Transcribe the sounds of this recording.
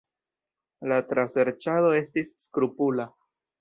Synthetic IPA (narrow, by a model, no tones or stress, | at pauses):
latɾase̞ɾt͡ʃaðo̞e̞stisːkɾupula